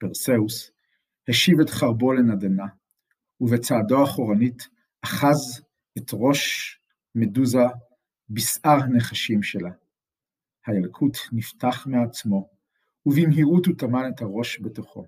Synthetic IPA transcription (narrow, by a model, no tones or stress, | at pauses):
peʁseus | heʃivetχaʁbo̞lenadana | uvet͡saːdoaχoʁanit | aχaz | etʁo̞ʃ | meduza | bisaʁane̞χaʃimʃela | hajalkʰutniftaχmeat͡smo̞ | uvimɦiʁututamanethaʁo̞ʃbetoχo̞̰